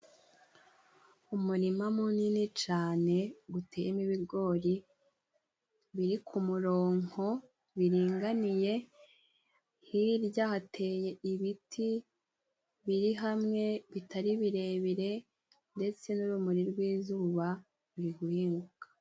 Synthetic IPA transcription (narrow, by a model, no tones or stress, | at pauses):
umuɾimamuninit͡ʃaːne̞ɡutʰe̞ːjimiβiɾɡo̞ːɾi | βiɾikʰumuɾo̞ːŋo̞ | βiɾiːŋɡanije̞ | hiɾjaːhatʰe̞ːjeiβitʰi | βiɾiɦamŋe̞βitaɾiβiɾe̞βiɾe̞ | nde̞t͡se̞nuɾuːmuɾiɾɡwiːzuːβa | uɾiɡuhiːŋɡukḁ